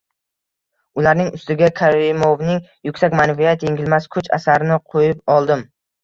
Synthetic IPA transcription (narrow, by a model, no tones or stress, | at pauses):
ʊlaɾnɪŋʊst̪ɪɡʲakʰaɾimovnɪŋjʊkʲsakʲmanvijat̪jeŋʲɪlmaskʰʊt͡ʃa̰saɾɪnɪqʰojɪpɒlˠd̪ɪm